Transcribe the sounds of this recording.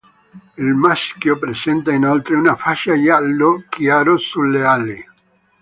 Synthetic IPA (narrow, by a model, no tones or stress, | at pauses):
elmaskjopɾesent̪ainolt̪ɾeunafaʃajalːokjaɾosulːeali